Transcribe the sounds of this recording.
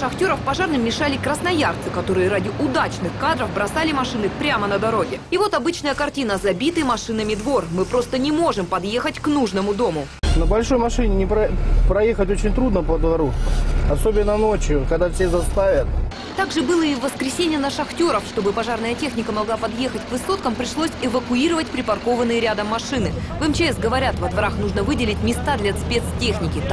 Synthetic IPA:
ʂɐxtʲo̞ɾəfpɐʐarnɨmʲːɪʂalʲɪkɾəsnɐjart̪sɨkɐt̪o̞ɾɨjəɾadʲɪʔʊd̪at͡ɕnɨxkad̪ɾəvbɾɐsalʲɪmɐʂɨnɨpɾʲamənəd̪ɐɾo̞ɡʲɪɪvo̞t̪ɐbɨt͡ɕnəjəkɐrtʲinəzɐbʲit̪ɨjmɐʂɨnəmʲɪd̪vo̞rmɨpɾo̞st̪ənʲɪmo̞ʐɨmpɐd̪je̞xətʲknuʐnəmʊd̪o̞mʊ | nəbɐlʲʂo̞jmɐʂɨnʲɪnʲɪpɾɐpɾɐjexətʲot͡ɕɪnʲt̪ɾud̪nəpəd̪vɐɾuɐsobʲɪnːənot͡ɕjʊkɐɡd̪afsʲexzɐst̪avʲət̪̚ | t̪aɡʐɨbɨlˠəɪvːəskɾʲɪsʲenʲɪjənəʂɐxtʲo̞ɾəfʂt̪o̞bɨpɐʐarnəjətʲexnʲɪkəmɐɡlˠapɐd̪je̞xətʲkvɨso̞t̪̚kəmpɾʲɪʂlˠosʲɪvəkʊiɾəvətʲpɾʲɪpɐrko̞vənːɨjəɾʲad̪əmːɐʂɨnɨvɛmt͡ɕɪɛsɡəvɐɾʲat̪vɐd̪vɐɾaxnuʐnəvɨdʲɪlʲɪtʲmʲɪst̪ad̪lʲɐspʲe̞t̪stʲexnʲɪkʲɪ

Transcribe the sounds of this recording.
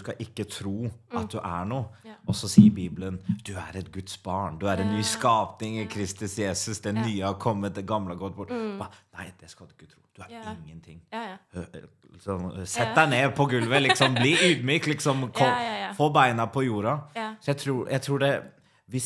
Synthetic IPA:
skɑʔɪkːət̪ʰɾuːʔɑt̪̚d̪ʉʔæɳuːʔɔsɔsiːəɾbiːblənd̪̥ʉæ̰ɾɛt̪̚ɡʉt̪sbɑːɳd̪ʉæɾɛnnyːskɑːpnɪŋɪkʰɾɪst̪ʉsjeːsʉsd̪ɛnnyːəhɑɾkʰɔmːət̪̚d̪ɛɡɑmləɡɔt̪̚ːbʊʈːbɑnæɪd̪̥ɛskɑd̪ʉɪkːət̪ʰɾṵːd̪̥ʉæɾɪŋːənt̪ʰɪŋː | ɪsɔmsɛt̪̚ːd̪æɪneːpʰɔɡʉlʋəlɪkksɔmbliyːd̪myːk̚t̪lɪksɔmkʰɔfoːbæɪnɑpʰɔjuːɾɑsɔjæɪt̪ʰɾuːjʔæɪt̪ʰɾuːɖɛ | ʋɪs

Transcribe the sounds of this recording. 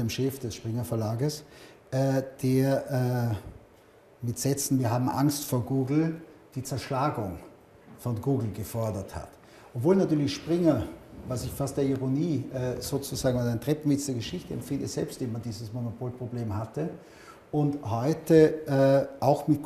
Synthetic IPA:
deːmʃɛfd̥ɛsʃpʁ̥ɪŋɐfɛɐlaːɡəs | ʔɛːd̥eːɐɛː | mɪtz̥ɛt͡sn̩viːɐɦaːbm̩ʔa̰ŋstfoːɐɡuːɡl̩d̥iːt͡sɛɐʃlaːɡʊŋ | fɔnɡuːɡl̩ɡəfɔɐdɐtha̰t | ʔopv̥oːlnatyːɐlɪçʃpʁ̥ɪŋɐvasɪçfastd̥eːɐiʁoniːʔɛːz̥oːt͡suz̥aːɡŋ̩aaɪntʁ̥ɛpn̩vɪt͡sd̥eɐɡəʃɪçtəɛ̰mfɪndəz̥ɛlpstv̥eːnmandiːzəsmonopʰoːlpʁ̥obleːmhatə | ʊnthɔʏtəʔɛːʔaʊxmɪt

